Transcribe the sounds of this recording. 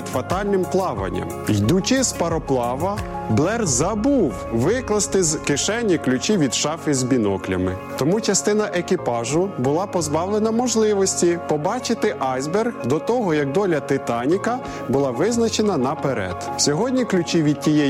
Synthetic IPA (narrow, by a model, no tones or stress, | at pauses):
d̪fɐt̪ɑlʲnɪmplˠɑʋɐ̰nʲːɐ̰mjd̪ut͡ʃɪspɐɾɔplˠɑʋɐ | blˠɛrzɐbuw | ʋɪklˠɐst̪ɪzkɪʃɛnʲːiklʲʊt͡ʃiʋʲid̪ʃɑfɪzbʲinɔklʲɐ̰mɪ | t̪ɔmut͡ʃɐst̪ɪnɐʔekʲipɑʒʊbʊlˠɑpɔzbɑwlˠenɐmɔʒlˠɪʋɔsʲtʲipɔbɑt͡ʃɪt̪ɪʔɑjzberɣd̪ɔt̪ɔɦɔjɐk̚d̪ɔlʲɐt̪ɪt̪ɑnʲikɐ | bʊlˠɑʋɪznɐt͡ʃenɐnɐpeɾɛ̰d̪̥sʲɔɦɔdʲnʲiklʲʊt͡ʃʲiʋʲid̪̚tʲijɛ